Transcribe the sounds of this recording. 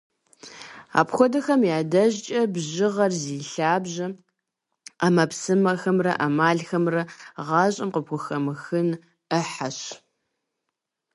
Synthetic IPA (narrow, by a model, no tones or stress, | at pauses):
a̰ːpxʷɔdɐxɐmjaːdɐʑt͡ʃʼɐbʑɪʁɐrziːɬaːbʑɐ | amɐpsɨmɐxɐmrɐ̰ʔamaːɮxɐmrɐʁɑːɕʼɪmqəpxʷʊxɐmɨxɨn | əħaɕ